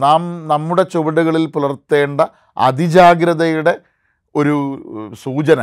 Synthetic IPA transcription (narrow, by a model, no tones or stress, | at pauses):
naːmnɐmːuɽe̞t͡ɕoʋɐɽuɣɐɭilpulɐrt̪ːe̞ːɳɖɐ | ɐ̰d̪id͡ʑaːɡɾɐðɐjuɽe̞ | o̞ɾusuːt͡ɕɐnɐ